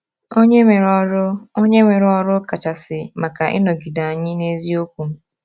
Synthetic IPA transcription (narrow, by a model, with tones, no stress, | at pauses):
o˦ɲe˦me˨ɾɾʊ˦o˦ɲe˦me˨ɾɔ˦ɾʊ˦ka˨t͡ʃa˨sɪ˨ma˨ka˨ʔɪ̰˦nɔ˨ɡi˨da˨a˨ɲɪ˦ne˦zi˦o˦kʷu˨m̩˦